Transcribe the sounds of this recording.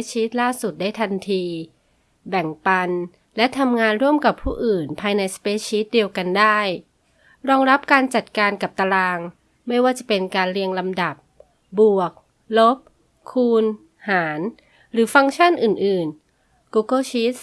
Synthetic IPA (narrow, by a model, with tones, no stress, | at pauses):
t͡ɕʰiː˦˥t̪̚laː˥˩su˨˩t̪̚daː˥˩jt̪ʰa˧nt̪ʰiː˧ | bɛ˨˩ŋpa˧n | lɛ˦˥t̪ʰa˧mŋaː˧nɾu˥˩əmka˨˩pʰːuː˥˩ʔɯː˨˩npʰaː˧jna˧jsḁ˧peː˦˥t͡ɕʰiː˦˥t̪̚di˧əwka˧ndaː˥˩j | ɾɔː˧ŋɾa˦˥p̚kaː˧nt͡ɕa˨˩t̪̚kaː˧nka˨˩p̚t̪a˧laː˧ŋ | ma˥˩jwaː˥˩t͡ɕa˨˩pe˧nkaː˧nɾi˧əŋla˧mda˨˩p̚ | bu˨˩ək̚ | lo˦˥p̚ | kʰːuː˧n | haː˩˦n | ɾɯː˩˦fa˧ŋt͡ɕʰa˥˩nʔɯː˨˩nʔɯː˨˩n | kuː˧kɤ˥˩t͡ɕʰiː˦˥t̪̚s